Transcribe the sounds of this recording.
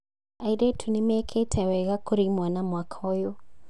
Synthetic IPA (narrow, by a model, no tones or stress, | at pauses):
aiɾetʰunemɛkʰetʰɛwɛɣakoɾimwanamwakʰaɔjo